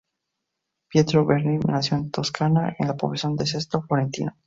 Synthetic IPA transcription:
pjet̪ɾoβeɾninasjont̪oskʰanaʔḛnlapoβasjo̞nd̪es̬est̪ɾoflo̞ɾe̞nt̪ḭno

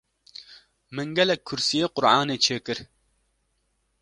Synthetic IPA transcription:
mɨŋɡɛlɛkʰːuɾsijeqʊɾaːnet͡ʃʰeːkɨɾ

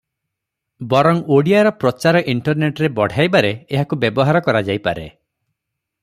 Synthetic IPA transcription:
bɔɾɔŋoɽiaɾɔpɾɔt͡ʃaɾɔʔiɳʈɔɾneʈɾebɔɽ̤ʱajbaɾeːɦakubjebɔɦaɾɔkɔɾad͡ʒajpa̰ɾḛ

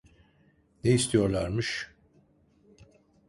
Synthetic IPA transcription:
neist̪ʰijo̞ɾlˠaɾmɯʃ

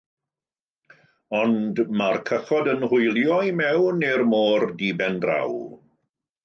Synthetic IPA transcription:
ɔndmarkʰəχɔdənhʊjlˠjɔjmɛwnermoːrdibɛndra̰w

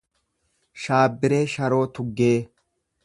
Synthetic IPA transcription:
ʃaːbːɪɾeːʃɐɾo̞ːt̪ʊɡːeː

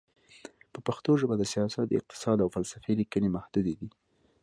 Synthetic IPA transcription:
pəpaxt̪oʒəbad̪əsijɑsat̪̚ɪ̰q̚t̪ɪ̥sɑd̪awfalsafeilikənemahd̪ud̪ed̪i

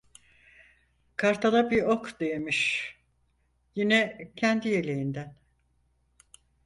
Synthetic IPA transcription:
kʰaɾt̪ʰalˠabiɾokd̪e̞jemiʃ | jinɛcʰænd̪ije̞lʲejind̪æn

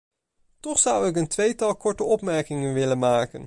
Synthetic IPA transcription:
tɔχsʌwɪk̬əntʋejtɑlˠkɔɹtəɔpmɛɹkɪŋənʋɪlənmaːkən

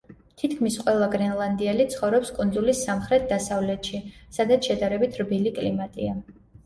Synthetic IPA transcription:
t̪ʰit̪ʰkʰmisqʼwɛlˠaɡɾɛnlˠand̪ialit̪sʰχɔvɾɔpskʼund̪zulisːamχɾɛt̪̚ʰd̪asavlɛt̪ʃisad̪at̪sʰʃɛd̪aɾɛbit̪ʰɾbilikʼlimat̪ʼḭa

